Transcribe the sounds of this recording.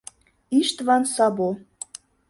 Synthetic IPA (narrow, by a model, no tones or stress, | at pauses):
iʃt̪βɑnsɑbo